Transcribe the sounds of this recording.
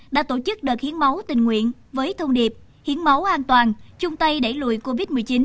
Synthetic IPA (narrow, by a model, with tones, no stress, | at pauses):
ɗa̰ː˧˥t̪o˧˩t͡ɕɨ˦˥k̚ɗəː˨˩k̚hi˨˦ənma˨˦wt̪ï˨˩ŋ̟ŋwḭ˧˨ən | vəː˨˦jt̪ʰə˧wŋ͡mɗi˨˩əp̚ | hi˨˦ənma˨˦wʔaː˧nt̪waː˨˩nt͡ɕʊ˧ŋ͡mt̪ə˧jɗe˧˩lṵ˧˨jko˧vi˦˥t̚mɨ˨˩əjt͡ɕi˨˦n